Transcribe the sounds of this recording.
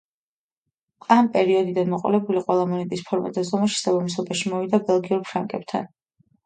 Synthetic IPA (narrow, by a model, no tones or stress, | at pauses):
ampʼɛɾiɔd̪id̪anmɔqʼɔ̰lɛbuliqʼwɛlˠamɔnɛt̪ʼispʰɔɾma̰d̪azɔmaʃɛ̥sabamis̬ɔbaʃimɔvid̪abɛlˠɡiuɾpʰɾaŋkʼɛb̥̚t̪ʰa̰n